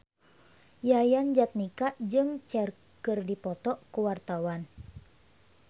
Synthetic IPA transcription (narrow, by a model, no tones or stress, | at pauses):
jajand͡ʒat̪̚nikaʔd͡ʒɨŋt͡ʃɛr | kɨrdipɔt̪ɔʔkuwart̪awan